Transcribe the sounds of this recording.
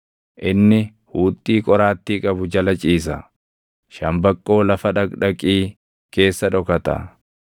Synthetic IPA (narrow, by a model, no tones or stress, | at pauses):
ʔɪnːɪ | huːt̪ʼːiːkʼɔɾaːt̪ːiːkʼɐbʊd͡ʒɐlɐt͡ʃʼiːs̬ɐ | ʃɐmbɐkʼːo̞ːlɐfɐᶑɐkᶑɐkʼiː | ke̞ːsːɐᶑɔkɐt̪ɐ̰